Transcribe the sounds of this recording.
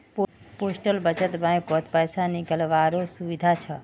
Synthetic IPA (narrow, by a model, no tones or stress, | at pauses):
ppoːsʈəlbət͡ʃət̪bə̃kɔt̪pəjsanikəlʋaɾosuʋid̪ʱat͡ʃʰə